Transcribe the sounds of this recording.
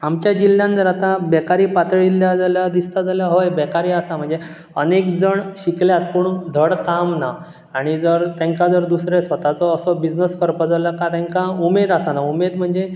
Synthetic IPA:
amt͡ɕjad͡ʑilːjãnd͡zəɾat̪ãbɛkaɾiːpat̪ɭiljad͡zaljad̪ist̪ad͡zaljaɦojbɛkaɾiːasam̤əɳd͡ze | ənekd͡zəɳɕikljat̪̚puɳd̪ʱəɽkamnaː | ɽ̃id͡zəɾt̪ɛ̃ŋkad͡zəɾd̪usɾesʋət̪at͡sɔːsɔbid͡ʑnəskəɾpəd͡zaljakat̪ẽŋkaumed̪asanaumed̪m̤əɳd͡ze

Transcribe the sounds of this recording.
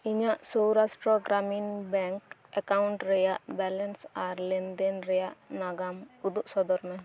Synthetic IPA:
iɲaʔsɔwɾasʈɾɔɡɾaminbɛŋkɛkawuɳʈɾɛjaʔbɛlɛnsaɾlɛnd̪ɛnɾɛjaʔnaɡamud̪uʔsɔd̪ɔɾmɛ

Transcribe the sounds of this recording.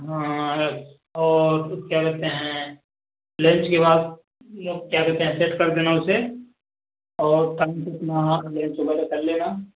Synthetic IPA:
ɦã | ɔːɾkjakɛɦt̪eɦɛ̃ | lẽt͡ʃkebaːd̪̚ | loːɡkjakɛɦt̪eɦɛ̃seʈkɐɾd̪eːnaʊse | ɔːɾt̪ɐ̃nsɐt̪nalẽːnt͡ʃobaɾekɐɾleːna

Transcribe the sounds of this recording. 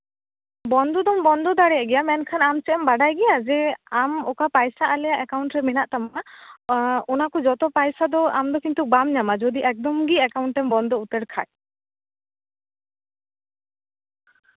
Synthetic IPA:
bɔnd̪ɔd̪ɔmbɔnd̪ɔd̪aɽɛjaʔɡɛjamɛnkʰanamsɛɛmbaɖajɡɛjad͡ʒɛamɔkapajsaʔalɛjaʔɛkawɳʈɾɛmɛnaʔt̪ama | ɔnakɔd͡ʒɔt̪ɔpajsad̪ɔa̰md̪ɔkint̪ubamɲamad͡ʒɔd̪iʔɛk̚d̪ɔmɡiɛkawɳʈːɛmbɔnd̪ɔut̪ɛɽkʰa̰j

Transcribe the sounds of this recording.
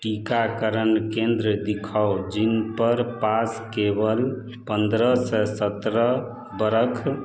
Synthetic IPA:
ʈikakəɾənkend̪ɾəd̪ikʰaod͡ʒinpəɾpaskebəl | pənd̪ɾəsɛsət̪ɾə | bəɾəkʰ

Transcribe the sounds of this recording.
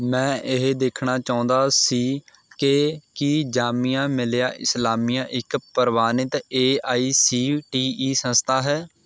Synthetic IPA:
mɛ̃ːʔɪɦd̪eːkʰɳaːt͡ʃaːʊ̃nd̪aːsiː | kɪkiːd͡ʒaːmijãːmɪljaːʔɪ̰slaːmiːjãːʔɪkpəɾʋaːnɪt̪eːaːiːsiːʈiːiːsə̃nst̪ʰaːɦɛː

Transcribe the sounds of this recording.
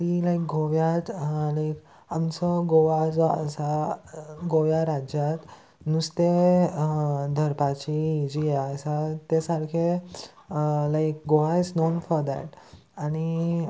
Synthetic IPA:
t̪ilajk̚ɡoʋjat̪laɪk | amt͡səɡoʋad͡zəsa | ɡoʋjaɾad͡ʑjat̪ | nust̪e | d̪ʱəɾpat͡ɕid͡ʑijeəsat̪esaɾkʰe | laɪkɡoʋasnonfɔɾd̪ɛ̰ʈ | añi

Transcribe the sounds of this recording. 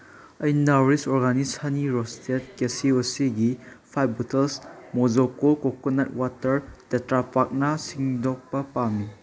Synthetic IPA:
ɐjnaɾisɔɾɡanishaniɾɔstʰet̚kesiosiɡipʰajbɔtʰelsmod͡ʒokokokonat̚watɐɾd̥etɾapak̚nasiŋdok̚pɐpami

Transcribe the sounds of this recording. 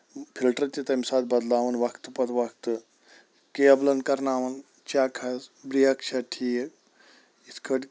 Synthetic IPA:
pʰilʈɾɐɾt̪it̪ɐmsaːd̪̚bɐd̪laːʋɐnʋɐkt̪ɨpɐt̪ʋɐkt̪ɨ | keɐblɐnkɐɾnaːʋɐn | t͡ʃaːkʰɐzbɾijɐkt͡ʃʰɐʈʰi | it̪ʰkʰɐʈ

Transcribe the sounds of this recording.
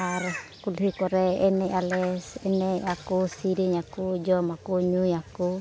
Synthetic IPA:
aɾɔkulɦikɔɾɛɛnɛalɛsɛneakusiɾiɲakud͡ʒɔmakuɲujaku

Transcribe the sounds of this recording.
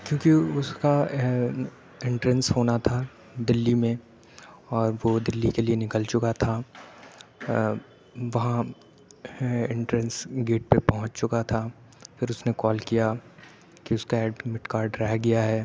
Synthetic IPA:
kjõːkiʊska | ɪ̃ɳʈɾɛnsɦoːnat̪ʰa | d̪ɪlːimẽ | ɔːɾʋod̪ɪlːikelienɪkəlt͡ʃʊkat̪ʰaː | ʋɐɦã | ɪ̃ɳʈɾənsɡeːʈ̚pepɐɦʊ̃t͡ʃt͡ʃʊkat̪ʰaː | fɪɾʊsnekɔːlkija | kiʊskaɛːɖmɪʈkaːɾɖɾɛɦɡɐjaɦɛː

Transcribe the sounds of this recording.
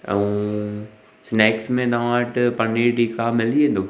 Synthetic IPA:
ũ | snɛːksmẽt̪aʋãːʈpɐniʈikaːmɪliẽnd̪oː

